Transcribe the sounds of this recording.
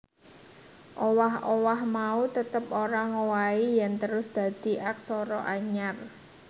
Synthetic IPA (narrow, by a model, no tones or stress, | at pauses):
ʔowahʔowahmaut̪ət̪əp̚oɾaŋowaijant̪əɾʊsd̪̥a̤d̪̥i̤ʔak̚sɔɾɔʔaɲar